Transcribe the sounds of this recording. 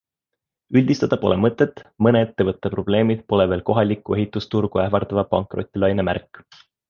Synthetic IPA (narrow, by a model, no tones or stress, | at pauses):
ylʲd̪̥ist̪ɑd̪ɑpo̞̰lemɤt̪ːˑe̞t̪ːˑmɤneet̪ːe̞vɤt̪ːepro̞b̥le̞ːmid̪̥̚po̞leve̞ːlko̞ɦɑlʲikːˑue̞ɦit̪ːˑust̪urɡ̥uæhvɑrd̪̥ɑvɑpɑŋkˑro̞t̪ʲːˑilɑjnemæ̰rkː